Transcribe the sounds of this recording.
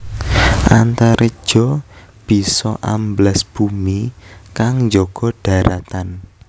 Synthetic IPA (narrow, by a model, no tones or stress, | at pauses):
ʔant̪aɾed̥ʒ̥ɔ̤b̥i̤sɔʔamblɛsb̥umikaŋɲd͡ʒɔɡ̥ɔ̤ɖ̥a̤ɾat̪an